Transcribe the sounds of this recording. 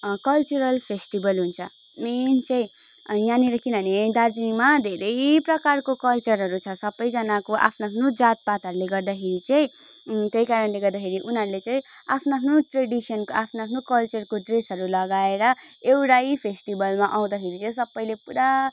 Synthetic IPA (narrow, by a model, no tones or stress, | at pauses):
kʌlt͡ʃuɾʌlpʰesʈibʌlɦunt͡sʰʌ̰ | ment͡sʌĩ | jãniɾʌkinʌned̪ard͡zinimad̪ʱeɾʌjprʌkarkokʌlt͡sʌɾɦʌɾut͡sʰʌsʌbːʌjd͡zʌnakoʔa̰pʰnaapʰnod͡zat̪̚pat̪ʌɾuleɡʌrd̪akʰeɾit͡sʌĩ | t̪ejkaɾʌnleɡʌrd̪akʰeɾiʔunɦʌɾulet͡sʌ̃ĩapʰnoapʰnoʈreɽisʌnkoapʰnaapʰnokʌlt͡sʌrkoɖresɦʌɾulʌɡaeɾʌewʈajpʰesʈibʌlmaʔaw̃d̪akʰeɾit͡sʌ̃ĩsʌbːʌjlepuɾa